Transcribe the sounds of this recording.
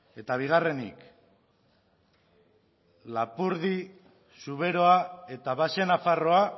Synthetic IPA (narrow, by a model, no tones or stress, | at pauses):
e̞t̪aβ̞iɣ̞are̞nḭk | lapuɾði | suβe̞ɾo̞ae̞t̪aβase̞nafaro̞a